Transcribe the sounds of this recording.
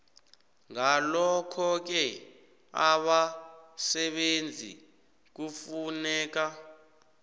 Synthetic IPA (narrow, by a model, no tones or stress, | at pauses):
ŋalɔkʰɔk̬ɛ | aɓasɛɓend͡zʱḭ | k̬ufunɛːk̬a